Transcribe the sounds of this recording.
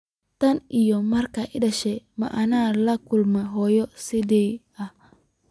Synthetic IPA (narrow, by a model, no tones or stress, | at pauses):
t̪ɐnijɔmɐrkɐʔɪdɐʃɛmɐ̰ʔɐnaːlɐkʊlmɛɦɔːjɔsɪd̪ɛj | ɐh